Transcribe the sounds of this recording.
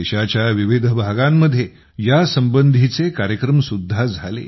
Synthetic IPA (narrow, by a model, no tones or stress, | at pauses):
eɕat͡ɕjaʋiʋid̪ʱbʱaɡamːəd̪ʱje | jasəmbənd̪ʱit͡sekaɾjəkɾəmsud̪ʱːad͡zʱalḛ